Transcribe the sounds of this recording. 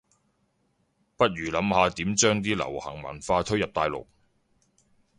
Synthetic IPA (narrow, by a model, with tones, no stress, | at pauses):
pɐ˥t̚jyː˨˩lɐ˨˥mhaː˨˧t̪iː˨˥mt͡ʃœː˥ŋt̪̬iː˥lɐ̰˨˩whɐ̰˨˩ŋmɐ̰˨˩nfaː˧t̪ʰɵ˥jɐ˨p̚t̪aː˨˧jlʊ̰˨˩k̚